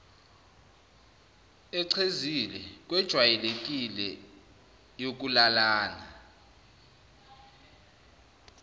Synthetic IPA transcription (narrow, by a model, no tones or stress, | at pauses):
ɛǀʰezilɛk̬ʼwɛd̥ʒ̥ʱwajɛlek̬ʼilɛ | jok̬ʼulalaːna